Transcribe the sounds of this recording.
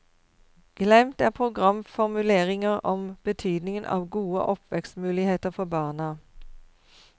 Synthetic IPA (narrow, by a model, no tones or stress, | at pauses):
ɡ̥lɛmt̪æːʁpʰʁʊɡʁɑmfɔʁmʉleːʁɪŋəʁɔmb̥ət̪ʰyːd̪nɪŋənʔɑ̰ːʋɡuːə̰ʔɔpʰʋɛkst̪mʉːlɪheːt̪əʁfɔbɑːʁnə